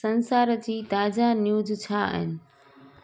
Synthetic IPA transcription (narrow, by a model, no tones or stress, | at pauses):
ɐ̃nsaːɾəd͡ʑiːt̪aːd͡ʑanjuːzt͡ɕʰaə̰ɦɪnɪ̆